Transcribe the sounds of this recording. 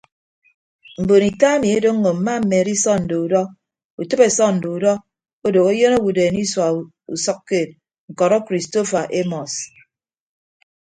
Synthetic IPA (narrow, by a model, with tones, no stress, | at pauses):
m̩˨bo˨ni˨ta˦e˦mi˨e˦do˦ŋː˦o˨m̩˨ma˦m̩˨me˨ɾi˦sɔ˦n̩˨do˨u˨dɔ˦ | u˨tɨ˦pe˨sɔ˦n̩˨do˨u˨dɔ˦ | o˦do˨ko˦jo˦no˦wu˨deː˨ni˦swa˨ | u˨sʌ˦kːe˦˨t̚ | ŋ̩˨kɔ˨ɾɔ˦kɾi˨sto˦fa˨ʔe˦mɔ˨s